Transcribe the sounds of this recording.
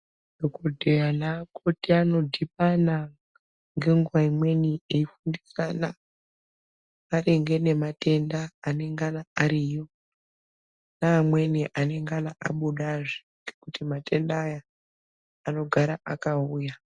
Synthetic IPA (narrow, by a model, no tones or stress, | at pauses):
dokodʱejanakʰo̞tiano̞dʱipana | ŋɡe̞ŋɡuwaimwe̞nieifundisana | areŋɡe̞ne̞mate̞ndaːne̞ŋɡanaaɾijo̞ | naːmwe̞niʔane̞ŋɡanaʔa̰ɓuɗaʐi̥ | ŋɡekutimate̞ndaːjaː | no̞ɡʱaɾaʔakauːja